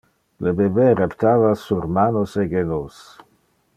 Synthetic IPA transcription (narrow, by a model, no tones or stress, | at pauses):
lebebeɾept̪aːvasurmaːnoseɡenos